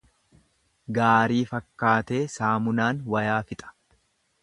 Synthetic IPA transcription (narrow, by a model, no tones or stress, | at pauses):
ɡaːɾiːfɐkːaːt̪e̞ːsaːmʊnaːnwɐjaːfɪt̪ʼɐ̥